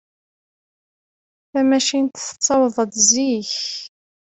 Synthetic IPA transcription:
θæmæʃint̪θə̥t͡sːɑwðˤəd̪ziç

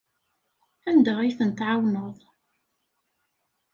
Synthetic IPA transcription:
ænd̪æʁiθənt̪ʕawnəðˤ

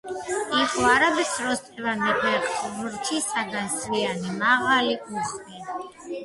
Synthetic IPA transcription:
iqʼɔaɾabɛsɾɔst̪ʼʰɛvand̪ɛkʰwɛaχsɔbɾt͡ʃʰisaɡansvianimaʁalikʼuɾsi

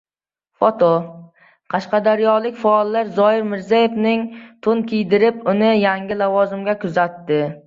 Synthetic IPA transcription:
fot̪ʰo | qʰɑʃqɑd̪aɾjɒlˠɪkʲfaːlˠːaɾzɒjɪɾmɪɾzajefnɪŋt̪ʰʊnkʲʰijd̪ɪɾɪpʊnɪjaŋɡʲɪlavɒzɪmɡʲakʰʊzat̪ːɪ

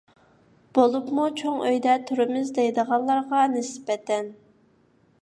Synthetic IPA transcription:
b̥olˠupmut͡ʃʰoŋʔøjd̪ɛt̪ʰyɾɪmɪzd̪ejd̪əʁɑnlˠɑɾʁɑnɪsbɛt̪ʰɛn

